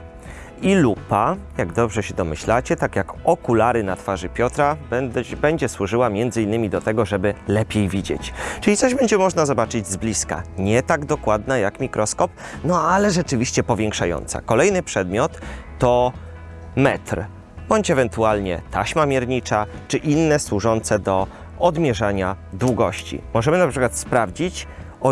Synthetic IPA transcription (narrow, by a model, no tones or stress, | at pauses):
ilupajaɡd̪ɔbʐɛɕɛd̪ɔmɘ̰ɕlat͡ɕɛt̪akjakɔkulaɾɘnat̪faʐɘpʲjɔt̪ɾabɛɲd͡ʑɛswuʐɘwamʲjɛnd̪zɘinːɘmʲid̪ɔt̪ɛɡɔʐɛbɘlɛpʲjejvʲid͡ʑɛ̰t͡ɕt͡ʂɘlʲit̪ɔʑbɛɲd͡ʑɛmɔʐnazɔbat͡ʂɘd͡ʑzblʲiska̰ɲɛt̪aɡd̪ɔkwad̪najakmʲikɾɔskɔp̚nɔalɛʐɛt͡ʂɘvʲiɕt͡ɕɛpɔvʲjɛŋkʂajɔ̰nt̪sa̰kɔlɛjnɘpʂɛd̪mʲjɔt̪ːɔ | mɛt̪ɾ | b̥ɔɲt͡ɕɛvɛnt̪ualɲɛ̰t̪ʰaɕmamʲjɛɾɲit͡ʂat͡ʂɘʔinːɛswuʐɔnt̪sɛd̪ɔ | ɔd̪mʲjɛʐaɲad̪wuɡɔɕt͡ɕḭmɔʐɛmɘnapʂɘkwat̪spɾavd͡ʑit͡ɕ | ɔ